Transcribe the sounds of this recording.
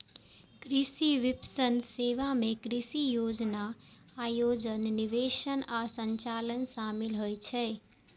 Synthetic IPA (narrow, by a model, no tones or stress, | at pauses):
kɾisiʋipsənseʋamekɾisijod͡ʒnaː | jod͡ʒənːiʋeʃənasəɲt͡ʃalənsamilɦojt͡ʃʰɛ